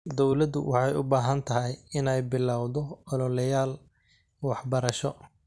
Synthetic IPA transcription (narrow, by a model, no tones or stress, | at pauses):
d̪ɔwlɐd̪ʊ̰wʔɑħɑjʊbaːɦɐnt̪ʰɐɦɛjɪnɛjbɪlːawðɔɔlɔlɛjaːl | wɑħbɐɾɐʃɔ